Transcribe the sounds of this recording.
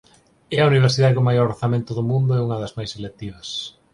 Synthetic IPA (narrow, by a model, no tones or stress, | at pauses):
ɛɐuniβ̞eɾsiðaðekomajɔɾoθamẽnt̪ʊðʊmũnd̪ʊɛuŋɐðɐzmajselek̚t̪iβɐs